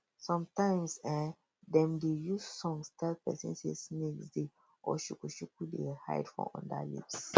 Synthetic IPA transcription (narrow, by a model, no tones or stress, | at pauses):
sɔ̃mtãɪ̃msɛ̃ | dɛ̃mdejussɔ̃ŋstʰɛlpɛsɛ̰̃nsesnɛkde | ɔʃukuʃukudeha̰ɪdfɔ̰̃ɔ̰̃nda̰lḭps